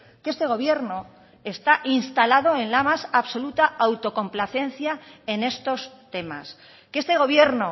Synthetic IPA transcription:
ke̞st̪e̞ɣ̞o̞β̞je̞ɾno̞ | e̞st̪aʔinst̪alaðo̞e̞nlamasaβso̞lut̪aawt̪o̞ko̞mplaθe̞n̟θjae̞ne̞st̪o̞st̪e̞ma̰s | kest̪e̞ɣ̞o̞βje̞ɾno̞

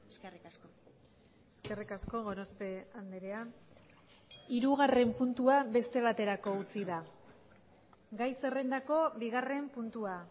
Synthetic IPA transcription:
s | eske̞rikasko̞ɣo̞ɾo̞spe̞and̪eɾea | iɾuɣare̞mpunt̪uaβe̞st̪e̞β̞at̪e̞ɾako̞ut͡siða | ɡajse̞re̞nd̪ako̞βiɣare̞mpunt̪ua

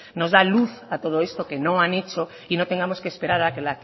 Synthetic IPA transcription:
nozðaluθat̪oð̞oest̪okenõanet͡ʃo | inot̪e̞ŋɡamoskespe̞ɾaɾakelak

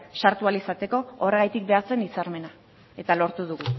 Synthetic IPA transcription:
saɾt̪ualisat̪e̞ko̞ore̞ɣ̞ajt̪ik̚be̞at͡se̞nisaɾme̞na | e̞t̪alo̞ɾt̪uð̞uɣ̞u

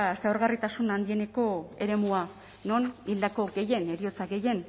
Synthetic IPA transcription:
seaoɾɣarit̪asunand̪ie̞ne̞ko̞e̞̰ɾe̞mua | no̞nild̪ako̞ɡe̞je̞ne̞ɾio̞t͡saɡe̞je̞n

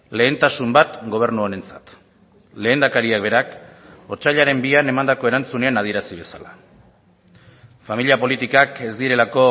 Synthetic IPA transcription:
le̞ːnt̪asumbat̪ɡo̞β̞e̞ɾnuaɾe̞nt͡sḁt̪ | le̞ːnd̪akaɾiak̚be̞ɾako̞t͡ʃaʎaɾe̞mbiane̞mand̪ako̞e̞ɾant͡sune̞anað̞ie̞ɾasiβe̞sala | familiapo̞lit̪ikake̞zd̪iɾe̞lako̞

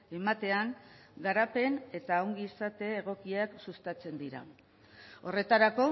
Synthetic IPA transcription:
e̞mat̪e̞aŋɡaɾape̞ne̞t̪aːwŋɡiːsat̪e̞ːɣ̞o̞kiaksust̪at͡se̞nd̪iɾa̰ | o̞re̞t̪aɾako̞

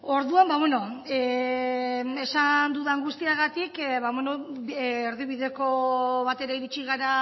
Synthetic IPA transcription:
o̞ɾðuambaβweno̞e | e̞sand̪uðaːŋɡust̪iaɣat̪ikβaβenoː | ɾðiβiðe̞ko̞βat̪e̞ɾaiɾit͡ʃiɣaɾa

